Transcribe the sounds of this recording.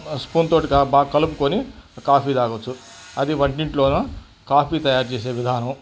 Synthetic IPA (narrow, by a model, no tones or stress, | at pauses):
spuːnt̪o̞ːʈikabaːkɐlup̬ukoːnikaːpiːd̪aːɡot͡ʃːu | ɐd̪iʋɐɳʈiɳʈloːnɐ | kaːpiːt̪ɐjaːɾt͡ʃeːse̞ːʋid̪ʱaːnɐm